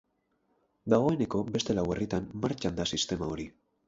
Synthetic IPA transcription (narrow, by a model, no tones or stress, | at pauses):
d̪aɣo̞e̞ne̞ko̞be̞st̪e̞lawe̞rit̪anmaɾt͡ʃand̪asist̪e̞mao̞ɾi